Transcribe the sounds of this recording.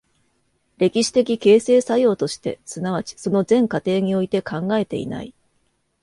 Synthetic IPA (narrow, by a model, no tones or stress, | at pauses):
ɾe̞kʲiɕi̥t̪e̞kʲike̞ːse̞ːsajo̞ːt̪o̞ɕi̥t̪e̞̰sɨnaβ̞at͡ɕi̥so̞no̞zẽ̞ŋkat̪e̞ːɲ̟io̞it̪e̞kãŋɡae̞t̪e̞̰ḭna̰i